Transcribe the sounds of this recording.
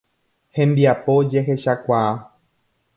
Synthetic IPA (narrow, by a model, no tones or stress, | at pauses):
hembiapod͡ʒexeɕakwaː